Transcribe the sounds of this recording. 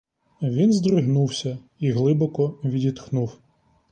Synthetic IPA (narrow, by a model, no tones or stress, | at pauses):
ʋʲinzd̪ɾɪɦnuwsʲɐ | iɦlˠɪbɔkɔʋʲidʲit̪xnuw